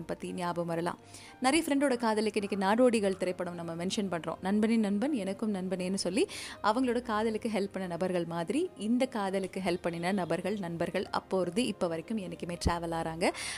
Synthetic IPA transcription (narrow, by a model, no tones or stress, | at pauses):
mpɐt̪ːinɪjaːbɐmʋɐɾɐla̰ːm | nɐɾɐjɐfɪɾɛɳɖoːɽɐkaːðɐlɯkːɯɪnːɪkːɯnaːɽoːɽiɣɐɭt̪ɪɾɐɪpːɐɽɯmnɐmːɐmɛnʂɐnpɐɳːɾõ̰ːnɐnbɐnɪnnɐnbɐnɛnɐkːɯmnɐnbɐneːnːɯsɔlːiʔɐʋɐŋɡɐɭoːɽɐkaːðɐlɯkːɯɦɛlpːɐɳːɐnɐbɐɾɣɐɭmaːðɪɾiɪnd̪ɐkaːðɐlɯkːɯɦɛlpːɐɳːɪnɐnɐbɐɾɣɐɭnɐnbɐɾɣɐɭɐ̰pːoːɾɯðɯʔɪpːɐʋɐɾɐkːɯmɛnɐkːɯmeːʈɾaːʋɐlaːɾaːŋɡɐ